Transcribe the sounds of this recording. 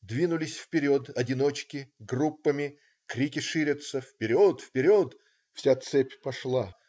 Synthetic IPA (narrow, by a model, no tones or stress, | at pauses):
d̪vʲinʊlʲɪsʲfpʲɪɾʲot̪ɐdʲɪno̞t͡ɕkʲɪɡrupːəmʲɪ | kɾʲikʲɪʂɨɾʲət̪səfpʲɪɾʲot̪fpʲɪɾʲot̪ | fsʲat̪sɛpʲpɐʂlˠa